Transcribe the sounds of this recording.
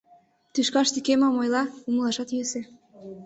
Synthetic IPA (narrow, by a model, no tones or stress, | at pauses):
t̪yʃkɑʃt̪ikemɑmojlɑuməlˠɑʃɑt̪jøse